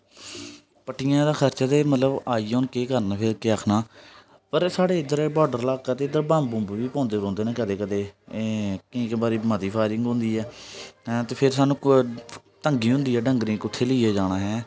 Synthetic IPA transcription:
pəʈijãːd̪aːkʰəɾt͡ʃaːt̪eːmət̪ləbaːiːʊnkeːkəɾnapʰeɾkeːaːkʰnaː | pəɾsaːɽeːɪd̪əɾbɔːɖəɾlaːkət̪eːd̪əɾbãːmbʊ̃mbʋiːpɔ̃ːnd̪eːɾɔ̃ːnd̪eːneːkəd̪eːkəd̪eː | kɪĩːkbaːɾiːmat̪iːpʰaːɪɾɪ̃ŋɡɦʊ̃nd̪iːɛː | t̪eːpʰɪɾsaːnũː | t̪əŋɡiːɦʊ̃nd̪iːɛːɖəŋɡɾẽːkʊt̪ʰːeːləiɛːd͡ʒaːɽ̃aːɦɛː

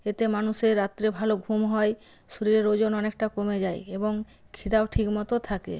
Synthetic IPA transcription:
et̪emanuseɾːat̪ːɾebʱaloɡʱumɦɔj | soɾiɾeɾod͡ʑonɔnekʈakomed͡ʑajeboŋ | kʰit̪abʈʰikmɔt̪ot̪ʰakḛ

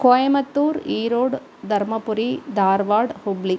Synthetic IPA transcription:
koːjɐmɐt̪ːuːɾiːɾoːɽ | d̪ɐɾmɐpʊɾid̪aːɾʋaːɽhʊbli

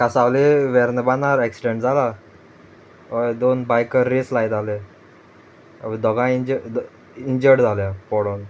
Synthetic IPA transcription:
kasaʋleʋɛɾnəbanaɾɛksiɖeɳʈd͡zala | əd̪onbajkəɾɾːeslajd̪ale | a̰ʋid̪ɔɡãid͡ʑə | iɲd͡ʑəɽd͡zʱaljapɔɽon

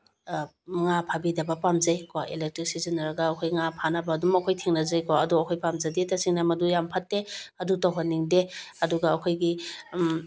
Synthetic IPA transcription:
ŋapʰabidɐbɐpamzajkwaʔelek̚tɾik̚sizinːɐɾɐɡɐːkʰojŋapʰanɐbɐːdumɐkʰojtʰeŋnɐzajkwaɐduɐkʰojpamzɐdetasiŋnɐmɐdujampʰɐtːeɐdutawɦanːiŋdeɐduɡɐːkʰojɡi

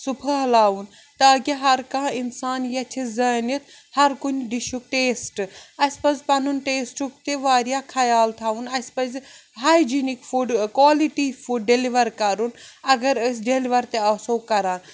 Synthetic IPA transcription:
supʰɐɦlaːʋun | t̪ɐɐɡiɦɐɾkãːinsaːnjɐt͡ʃʰizɐːnɐt̪ʰ | hɐɾkunʲɖiʃuk̚ʈeːsʈɐsʲpɐzpɐnunʈeːsʈuk̚t̪eʋaːɾijaːkʰɐjaːlt̪ʰaːunɐspɐzɦaːjd͡ʒinikfuɖkwaːliʈifuɖɖeliʋɐɾkɐɾunɐɡɐɾəs̬ʲɖeliʋɐɾt̪eɐsokɐɾaːn

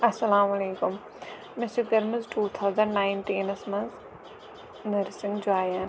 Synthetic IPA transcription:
ɐsɐlaːmɐleːkʊm | mɪsɪkɐɾmɐzʈuːt̪ʰawzɐ̃ɳɖnaːɪnʈiːnɐsmɐ̃nz | nɐɾsɪ̃ŋɡd͡ʒaːjan

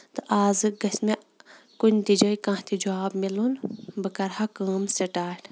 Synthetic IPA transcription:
t̪ɨʔaːzɨɡɐsme | kunʲt̪id͡ʒɐjkãːt̪id͡ʒaːbmilunbɨkɐɾhɐkəːmsɐʈaːʈʰ

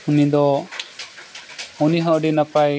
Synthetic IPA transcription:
unid̪ɔ | uniɦɔ̃ʔəɖinapaj

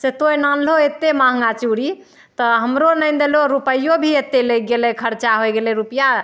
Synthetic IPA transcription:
set̪ojnanloet̪ːemãɦŋ̆ɡat͡ʃuɾi | t̪ɔɦəmɾonəjnd̪eloɾupəjobʱiet̪ːeləɡelɛkʰəɾt͡ʃaɦoɡelɛɾupja

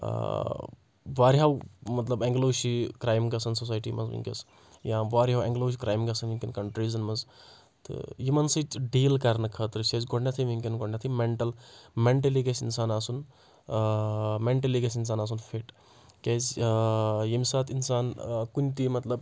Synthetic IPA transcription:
ʋaːɾɦawmɐt̪lɐbeŋɡloːʃikɾaːjmɡɐsɐnsos̬aːjʈḭmɐ̰zʋḭŋkʲɐ̰s | jãːʋaːɾɦawɛ̰̃ŋɡloːʃikɾaːjimɡɐsɐnʋiŋkʲinkɐɳʈɾiːzɐnmɐz | t̪ɨ̰jimɐnsit͡ʃɖiːlkɐɾnɐkʰɐːt̪ɾɨʃezɡoɽnʲɐt̪ʰiʋiŋkʲinɡoɽnʲɐt̪ʰimeɳʈɐlmeɳʈɐliɡɐsinsaːnaːsun | meɳʈɐliɡɐs̬ins̬aːnaːs̬unfʰeʈ | kʲez | jimʲsaːt̪ʰinsaːnkunʲt̪imɐt̪lɐb

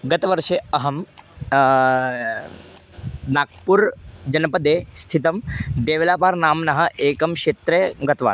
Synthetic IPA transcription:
ɡɐt̪ʋɐɾʂeɐɦɐm | naːk̚puɾd͡ʒɐnɐpɐd̪eːst̪ʰit̪ɐmd̪eːʋlaːpaːɾnaːmnɐɦɐ̆ʔeːkɐmʃeːt̪ɾeɡɐt̪ʋa̰ːn

